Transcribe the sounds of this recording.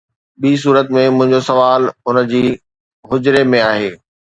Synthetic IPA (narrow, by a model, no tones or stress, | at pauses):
ɓiːs̬uːɾət̪mẽmʊ̃ɦɪ̃ɲd͡ʑosɐʋaːlʊnə̆d͡ʑiː | ɦʊd͡ʑɾemẽaːɦeː